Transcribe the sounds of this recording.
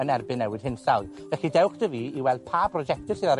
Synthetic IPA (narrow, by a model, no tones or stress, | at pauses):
ənɛrbɪnːɛwɪd̥hɪnsalˠ | vɛɬidɛwχd̥əviːiwɛlˠd̥̚pʰaːbrɔd͡ʒɛk̚tɪrsiðaɾ